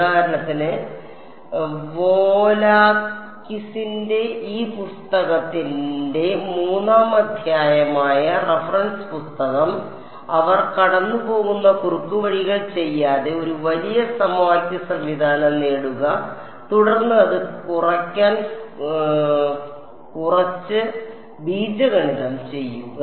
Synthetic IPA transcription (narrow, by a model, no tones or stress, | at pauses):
aːɾɐɳɐt̪ːinɨ | ʋoːlaːkːisinde̞iːpust̪ɐɣɐt̪ːinde̞muːnaːmɐd̪ʱjaːjɐmaːjɐrefɐrɐnspust̪ɐɣɐm | ɐʋɐrkɐɽɐnːɨpo̞ːɣunːɐkurukːuʋɐɻiɣɐɭt͡ɕe̞jːaːðe̞o̞ɾuʋɐlijɐsɐmwaːkʲjɐsɐmʋid̪ʱaːnɐmneːɽuɣɐ | t̪uɽɐrnːɨɐðɨkurɐkʲːaːn | kurɐt͡ɕːɨ | biːd͡ʑɐɣɐɳiðɐmt͡ɕe̞jːuɣɐ